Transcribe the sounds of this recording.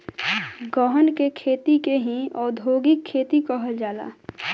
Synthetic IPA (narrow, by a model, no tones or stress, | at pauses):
ɡɔɦənkekʰeːt̪ikeɦĩɔːɾd̪ʱoːɡɪkʰːeːt̪ikəɦəld͡ʒaːla̰ː